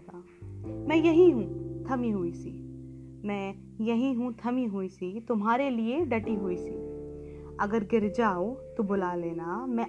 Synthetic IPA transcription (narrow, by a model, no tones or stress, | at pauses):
a | mɛ̃ːjɐɦĩɦũt̪ʰɐmiɦuisimɛ̃ː | jɐɦĩɦũt̪ʰɐmiɦuisit̪ʊmɦaːɾelieɖɐʈiɦuisḭː | ɐɡəɾɡɪɾd͡ʒaːot̪obʊlaːleːnamɛ̃